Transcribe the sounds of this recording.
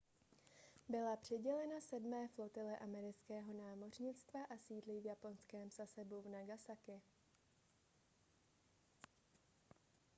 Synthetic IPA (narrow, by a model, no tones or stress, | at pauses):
bɪlapr̝̥ɛɟɛlɛnasɛdmɛːflo̞t̪ɪlɛʔamɛɾɪt͡skɛːɦo̞naːmo̞r̝ɲɪt͡st̪vaʔasiːdlivjapo̞nskɛːmsasɛbuvnaɡasakɪ